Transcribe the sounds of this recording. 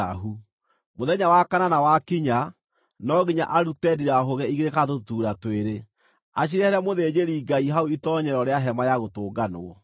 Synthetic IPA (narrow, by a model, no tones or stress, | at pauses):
aɦu | moðɛɲawakananawakiɲa | nɔɣiɲa̰ʔaɾutɛdiɾaɦoɣɛiɣeɾekatotuːɾatweɾe | aɕ̬iɾɛhɛɾɛmoðed͡ʑeɾiːɡaiɦauitɔɲɛɾɔɾeaɦɛmajaɣotoːɡano̰ɔ